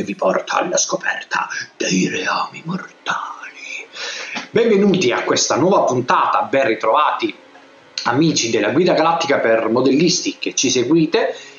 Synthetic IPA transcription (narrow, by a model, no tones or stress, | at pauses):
evːipɔrt̪ʰa̰a̰lːa̰skopɛ̰rt̪ʰa̰d̪̥ejreaːmimort̪aːli | bɛɱvenuːt̪iakːwest̪anwɔːvapunt̪aːt̪abɛnrit̪ɾɔvaːt̪i | amiːt͡ʃid̪elːaɡwiːd̪aɡalat̪ːikapermod̪elːist̪ik̟et͡ʃːiseɡwiːt̪e